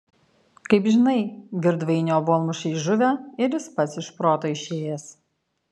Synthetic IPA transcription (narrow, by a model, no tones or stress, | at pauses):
kɐɪpʒʲɪnɐɪɡʲɪɾd̪ʋɐɪnʲoːboːlˠmʊʃʲɛɪʒʊʋʲæɪɾʲjɪspɐt̪sɪʃpɾoːt̪oːɪʃʲeːjeːs